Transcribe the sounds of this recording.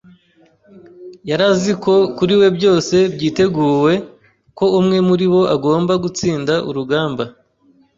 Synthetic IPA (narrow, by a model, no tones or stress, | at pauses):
jaɾaziko̞kuɾiwe̞bjo̞ːse̞bjiːte̞ɡuːwe̞ | ko̞umŋe̞muɾiβo̞ʔaɡo̞ːmbaɡut͡siːndaʔṵɾuɡaːmba